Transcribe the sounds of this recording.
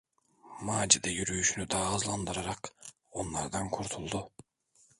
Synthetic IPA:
maːd͡ʒid̪ɛjyɾyjyʃynyd̪aːzlˠand̪ɯɾaɾak | o̞nlˠaɾd̪ankʰuɾt̪ʰulˠd̪ʊ

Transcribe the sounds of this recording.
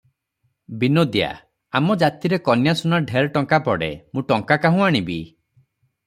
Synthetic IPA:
binod̪ja̰ | amɔd͡ʒat̪iɾekɔnjasunaɖʱeɾʈɔŋkapɔɽḛmũʈɔŋkakaɦũaɽ̃ibi

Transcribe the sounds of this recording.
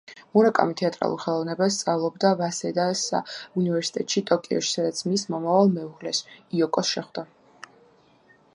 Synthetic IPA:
muɾakʼa̰mit̪ʰɛat̪ʼɾa̰lˠṵɾˠχɛlˠɔvnɛbast̪sʼavlˠɔbd̪avasɛd̪asa̰univɛɾsi̥t̪ʼɛt̪ʼʃit̪ʼɔkʼiɔ̰ʃi̥sad̪at̪sʰmismɔmavalˠmɛuʁlɛsiɔkʼɔsʃɛχd̪a

